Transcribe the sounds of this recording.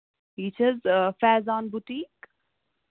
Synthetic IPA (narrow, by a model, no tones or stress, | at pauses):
iːt͡ʃʰəzfɛːzãːnbʊʈiːk